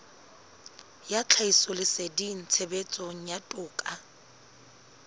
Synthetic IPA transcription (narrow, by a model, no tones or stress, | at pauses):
jat͡ɬʰaisɔlɪsedin̩t͡sʰebet͡sʼɔŋ̩jatʼʊːkʼa